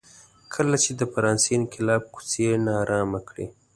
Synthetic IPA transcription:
kʰəlat͡ʃed̪əfaɾɑnsinkʰɪlɑb̚ku̥t͡senɑɾʔɑmakɽḭ

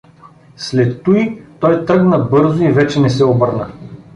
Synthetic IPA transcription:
slɛt̪ːuit̪ɔjt̪ɤɡnəbɤɾzʊivɛt͡ʃɛnɛsɛobɤɾnə

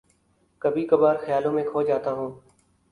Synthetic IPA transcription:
kəbiːkəbaːɾxəjaːlõːmẽkʰoːd͡ʒaːt̪aːɦũː

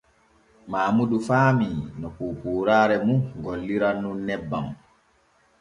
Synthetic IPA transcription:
maːmudufaːminɔkuːpuːɾaːɾɛmuɡɔlːiɾanːunːɛbːam

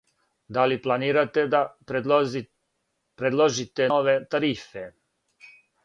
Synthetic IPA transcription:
d̪aliplˠaniːɾat̪ed̪a | pɾed̪lˠoʒit̪eoʋet̪aɾife

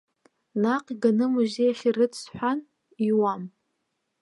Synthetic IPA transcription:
naqʼiɡanɨmɨʒejaχʲirɨtʰsħʷᶣan | iwam

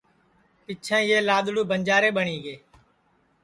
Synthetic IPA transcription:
pɪt͡ʃʰãːjeːlaːɗ̪ɽuːbʱənd͡ʒaːɾeːɓəɳiːɡeː

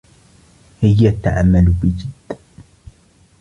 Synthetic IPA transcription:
hɪjːat̪ːa̰ʕamːalbɪd͡ʒɪd̪̥ː

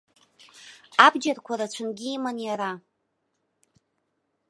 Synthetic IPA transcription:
abd͡ʒarkʷʰaɾat͡ʃʷʰɨnɡʲiːmanjaɾa

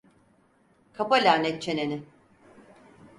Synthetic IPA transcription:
kʰapalʲaːnʲɛt̪̚t͡ʃʰe̞nenɪ

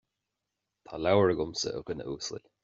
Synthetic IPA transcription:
t̪ʰaːlawəɹəɡʊmsə̰ʔʊ̰kənə̰uːsə̰lʲ

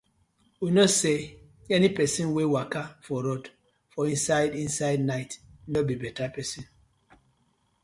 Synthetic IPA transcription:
winɔse | ɛnipɛsĩnwewakafɔɾɔd | fɔĩnsaɪdĩnsaɪdnaɪtnɔbibɛtapɛsĩn

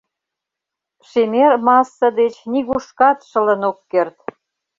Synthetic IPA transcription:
ʃemermɑsːə̆d̪et͡ɕniɣuʃkɑt̪ʃə̆lənokːert̪

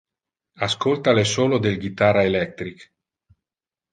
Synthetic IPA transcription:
askolt̪alesoːlod̪elɡit̪aɾaelɛk̚t̪ɾik

